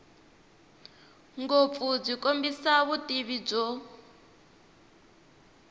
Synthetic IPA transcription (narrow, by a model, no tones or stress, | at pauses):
ŋɡop̪fud͡zʷikombisaβutiβib͡ʐɔ